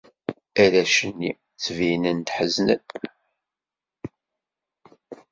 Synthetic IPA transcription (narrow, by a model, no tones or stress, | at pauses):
æɾæʃənːi | t͡sːvinənt̪ħəznə̰n